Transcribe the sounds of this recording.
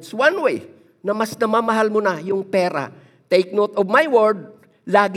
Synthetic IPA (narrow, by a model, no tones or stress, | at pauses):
swãnwej | nɐmɐsnɐmaːmɐɦalmʊnajʊŋpɛːɾa̰ | t̪ejk̚not̪ɔvmajwɛɹd̪̚ | laːɡ